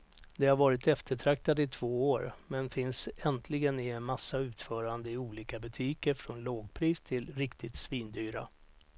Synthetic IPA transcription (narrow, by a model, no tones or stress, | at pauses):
d̪ɛhaɾvɑːɾɪt̪ɛft̪əʈʰɾak̚t̪ad̪ɪt̪ʰv̥oːoːɾmɛnfɪnsɛnt̪ʰlɪɡənɪɛnmasːaʉ̟ːt̪fœːɾand̪əɪuːliːkabət̪ʰyːkəɾfɾɔnloːɡpʰɾiːst̪ʰɪlɾɪkt̪ʰɪt̪sviːnd̪yːɾa̰